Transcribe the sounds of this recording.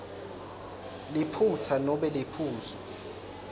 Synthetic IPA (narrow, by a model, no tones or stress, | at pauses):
lipʰut͡sʰanɔɓɛlepʰuːzɔ